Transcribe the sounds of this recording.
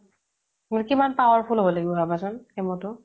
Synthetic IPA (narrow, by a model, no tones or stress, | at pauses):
mujkimanpawɔɹpʰulɦobɔlaɡibɔbabasʊnemɔtʊ